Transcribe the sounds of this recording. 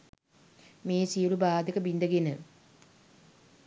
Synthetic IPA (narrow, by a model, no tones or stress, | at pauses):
meːsijɽubaːd̪ɐkɐbind̪ɐɡinɨ